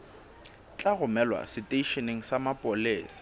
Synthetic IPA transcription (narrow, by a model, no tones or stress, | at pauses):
t͡ɬʼaɣʊmɛlwa̰sɪtʼeiʃeneŋ̩samapʼoleːsḁ